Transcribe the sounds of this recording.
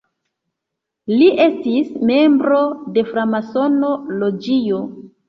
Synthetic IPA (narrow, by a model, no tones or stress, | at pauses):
liʔe̞stisme̞mbɾo̞de̞fɾamaso̞nolo̞d͡ʒijo̞